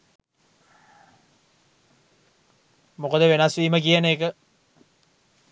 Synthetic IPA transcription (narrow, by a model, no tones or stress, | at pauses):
mokəd̪əʋenasʋiːməkijaneːkə